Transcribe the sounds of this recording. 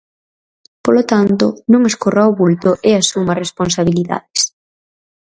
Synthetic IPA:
polot̪ant̪ʊnõŋeskoraoβult̪ʊʔeɐsumɐresponsaβ̞iliða̰ðɪs

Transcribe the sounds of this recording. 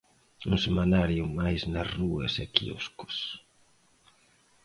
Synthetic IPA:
uŋsemanaɾjumajsnasruesɛkḭṵskʊ̥s

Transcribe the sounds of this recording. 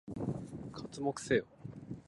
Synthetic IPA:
kʰat͡sɨmokɯ̥seːo

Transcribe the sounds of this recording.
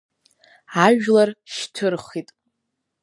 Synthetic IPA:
aʒlarʃtʰɨrχitʼ

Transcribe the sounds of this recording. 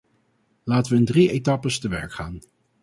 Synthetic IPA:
laːtəʋəɪndrietɑpəstəʋɛ̰ɹkχaːn

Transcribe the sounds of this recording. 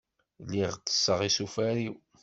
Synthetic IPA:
lːiʁt͡sːə̥sːəʁisufæɾiw

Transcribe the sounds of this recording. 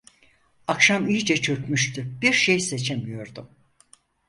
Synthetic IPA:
akʃamijd͡ʒɛt͡ʃʰø̞kmyʃt̪ʰyb̥iɾʃejse̞t͡ʃʰe̞mijo̞ɾd̪ʊm

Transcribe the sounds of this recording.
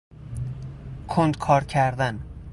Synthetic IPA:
kʰond̪kʰɒːɾcʲʰæɾd̪æn

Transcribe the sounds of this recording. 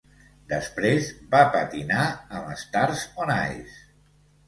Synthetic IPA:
d̪əspɾezbapət̪inaəməst̪aɾzona̰js

